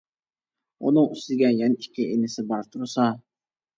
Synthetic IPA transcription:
unɨŋyst̪ɪɡʲɛnjɛnikʲʰːɪenɪsɪbɑɾt̪ʰuɾsɑ

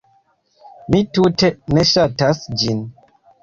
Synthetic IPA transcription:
mituteneʃatasd͡ʒin

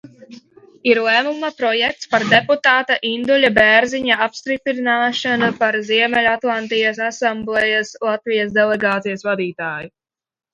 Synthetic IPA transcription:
iɾlˠæːmumapɾɔjɛk̚t̪spaɾd̪ɛput̪aːt̪aʔind̪ɔlʲabɛɾziɲaapst̪ɾipɾinaːʃanupaɾziɛmɛlʲat̪lˠant̪ijasasamblˠɛjaslˠat̪vijɐsd̪ɛlˠɛɡaːt̪sijɐsvad̪iːt̪aːju

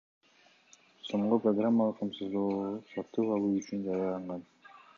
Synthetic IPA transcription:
so̞ɴʁoproɡramːalˠɯqʰːɑmsuzd̪ˠoːʁsɑt̪ːɯpɑlˠuːyt͡ʃynd͡ʒɑjɑlˠɑɴʁɑn

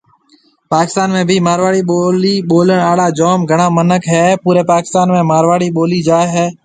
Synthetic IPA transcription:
paːkɪst̪aːnmẽːbʱiːmaːɾʋaːɽiːɓoːliːɓoːləɳaːɽaːd͡ʒoːmɡʱəɽ̃ãːmənəkɦɛːpuːɾeːpaːkɪ̥st̪aːnmẽːmaːɾʋaːɽiːɓoːliːd͡ʒaːɦɛː

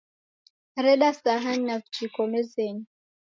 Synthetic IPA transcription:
ɾɛɗasaɦaɲnavut͡ʃikɔmɛzɛɲi

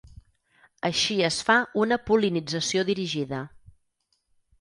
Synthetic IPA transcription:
əʃiəsfaunəpulinid͡zəsioðiɾiʒiðə

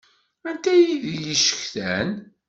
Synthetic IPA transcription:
ænt̪æjiðijiʃə̥çθæn

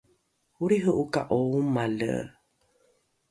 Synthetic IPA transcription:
huɾiɦəʔukaʔoumalə̰

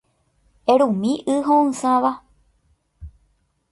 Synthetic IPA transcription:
ẽɾũmĩʔɨɦõɨ̃sãʋa

